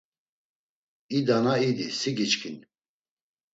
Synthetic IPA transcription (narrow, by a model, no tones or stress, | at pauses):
id̪anaid̪isiɡit͡ʃkʰin